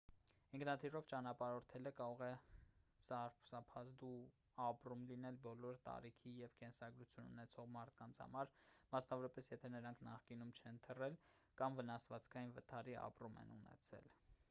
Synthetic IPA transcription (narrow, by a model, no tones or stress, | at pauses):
hiŋkʰnɑt̪ʰirɔvt͡ʃɑnɑpɑɾɔɾt̪ʰɛləkɑɾɔʁɛ | sɑɾpsɑpʰɑzd̪u | ɑprumlinɛlbɔlɔɾt̪ɑ̰ɾikʰijɛvkɛnsɑɡɾut͡sʰjunṵnɛt͡sʰɔʁmɑɾt̪̚ʰkɑnt͡sʰhɑ̰mɑɾmɑsnɑvɔɾɑpɛsjɛt̪ʰɛnəɾɑŋkʰnɑχkinumt͡ʃʰɛnt̪ʰərɛl | kɑmvənɑsvɑt͡skʰɑjinvət̪ʰɑɾiɑ̰pɾumɛ̰nṵnɛ̰t͡sʰɛ̰l